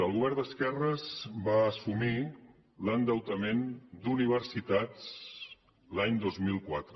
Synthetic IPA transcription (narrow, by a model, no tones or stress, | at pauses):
əlˠuβɛɾðəskɛrəzbaːsumi | lənd̪əwt̪əmend̪uniβ̞əɾsit̪at͡s | laɲd̪ozmilˠkwat̪ɾə